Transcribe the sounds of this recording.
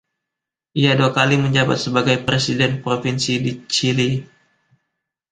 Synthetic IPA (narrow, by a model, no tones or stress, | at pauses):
ʔiaduakaliməɲd͡ʒaba̰t̪səbaɡajpɾesidɛnpɾofinsidit͡ʃili